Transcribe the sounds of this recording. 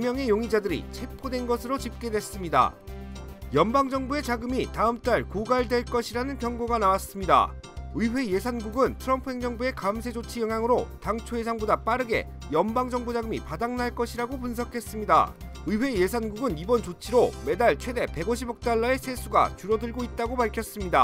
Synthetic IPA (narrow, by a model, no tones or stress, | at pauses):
mjʌŋe̞joŋid͡ʑadɯɾḭt͡ɕʰe̞pʰodwe̞nɡʌsʰɯɾot͡ɕip̚k͈e̞dwe̞s͈ɯmɲida̰ | jʌnbaŋd͡ʑʌŋbue̞t͡ɕaɡɯmitaɯmt͈aɭkoɡaɭdwe̞ɭk͈ʌɕʰiɾanɯnkjʌŋɡoɡanawas͈ɯmɲida̰ | ɯiɸwe̞je̞sʰanɡuɡɯntʰɯɾʌmpʰuɦe̞ŋd͡ʑʌŋbue̞kamsʰe̞d͡ʑot͡ɕʰijʌŋjaŋɯɾotaŋt͡ɕʰojes̬ʰaŋbodap͈aɾɯɡe̞̰ | jʌmbaŋd͡ʑʌŋbud͡ʑaɡɯmḭpadaŋnaɭk͈ʌɕʰiɾaɡopunsʰʌkʰe̞s͈ɯmɲida̰ | ɯiɸwe̞je̞sʰanɡuɡɯnibʌnt͡ɕot͡ɕʰiɾome̞daɭt͡ɕʰwe̞de̞pe̞ɡoɕʰibʌk̚t͈aɭːae̞sʰe̞sʰuɡa̰t͡ɕuɾʌdɯɭɡoit̚t͈aɡopaɭkʰjʌs͈ɯmɲida̰